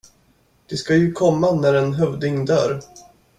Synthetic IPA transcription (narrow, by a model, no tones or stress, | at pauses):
d̪̥ɛskajɵkʰɔmːanæɾɛnɦœvd̪ɪŋd̪œːɾ